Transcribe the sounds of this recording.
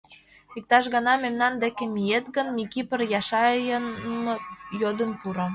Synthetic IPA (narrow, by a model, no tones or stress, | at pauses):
ik̚t̪ɑʃɣɤnɑmemnɑnd̪ekĕmijet̪ɡə̆nmikipə̆rjɑʃɑjən | jod̪ə̆npuɾŏ